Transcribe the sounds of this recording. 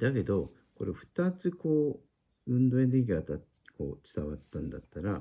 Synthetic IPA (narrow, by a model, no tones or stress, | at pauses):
d̪̥ake̞d̪o̞ | ko̞ɾeɸɯ̟̥t̪at͡sɨko̞ː | ɯ̟̃nd̪o̞end̪eik̬ʲiat̪a | ko̞̰ːt͡sɨ̥t̪aβat̪ːãnd̪a̰t̪ːaɾa